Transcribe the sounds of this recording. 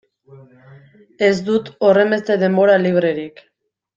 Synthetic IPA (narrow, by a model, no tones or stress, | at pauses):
e̞zd̪ut̪o̞re̞mbe̞st̪e̞ðe̞mbo̞ɾaliβ̞ɾe̞ɾik